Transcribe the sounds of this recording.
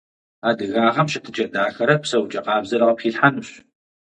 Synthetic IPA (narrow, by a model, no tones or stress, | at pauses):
aːdɨɣaːʁɐmɕɪtʰɨt͡ʃʼɐdaːxɐɾɐpsɐwt͡ʃʼɐqɑːbzɐɾɐqɐpχiːɬħanuɕ